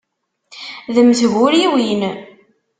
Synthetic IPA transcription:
ðəməsɣʊɾiwin

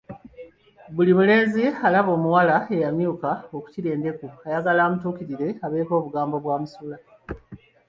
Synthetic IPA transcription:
βulimule̞ːzialaβo̞ːmuwalae̞jamjuːkao̞ku̥ciɾe̞ːnde̞kuajaɡalaːmutuːkiɾiɾe̞aβe̞ːko̞ːβuɡaːmbo̞βwaːmusula

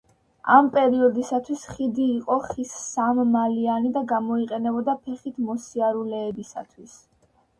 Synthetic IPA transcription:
a̰mpʼɛɾiɔd̪isat̪ʰwisχid̪iːqʼɔχisːamːalianid̪aɡamɔiqʼɛnɛbɔd̪apʰɛχit̪ʰmɔsiaɾulɛːbisa̰t̪ʰwis

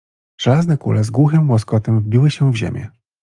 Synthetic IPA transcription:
ʐ̥ɛlaznɛkṵlɛzɡwuxɘmwɔskɔt̪ɛmvbʲiwɘɕɛvʑḛmʲjɛ̰

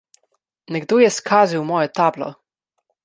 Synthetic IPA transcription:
nɛɡd̪oːjɛskʰaːziwmɔːjɛt̪aːblɔ̰

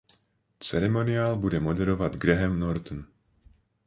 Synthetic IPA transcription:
t͡sɛɾɛmɔniaːlbudɛmɔd̪ɛɾɔʋaɟɡɾɛɦɛmnɔɾt̪n

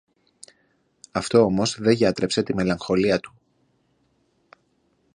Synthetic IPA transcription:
ɐft̪o̞o̞mo̞zðe̞ʝɐt̪ɾe̞pse̞t̪ime̞lɐŋxo̞liɐt̪u̥

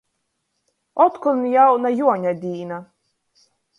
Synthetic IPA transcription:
ɔt̪kunjawnajuɔɲad̪ʲiːna

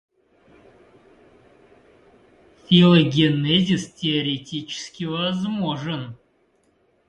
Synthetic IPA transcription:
fʲilˠoɡʲenːezʲistʲeoɾʲetʲit͡ʃɪ̥skʲivazmoʐən

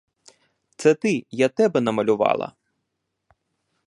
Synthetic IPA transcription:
t̪sɛt̪ɪjat̪ɛbɛnɐmɐlʲʊʋɑ̰lˠɐ̰

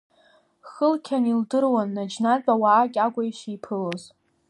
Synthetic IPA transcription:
χəlkʲʰanildɨrwanːad͡ʒnat͡sʼawaːkʲʼaɡʷajʃijpʰɨloz

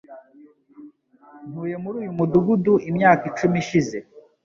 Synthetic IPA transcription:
n̥huːje̞muɾuːjumuduɡuduʔimɲaːkit͡ʃumiʃize̞

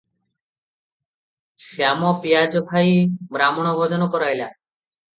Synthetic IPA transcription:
seamɔpijad͡ʒɔbʱajbɾamɔɽ̃ɔbʱɔd͡ʒɔnɔkɔɾaɦjla

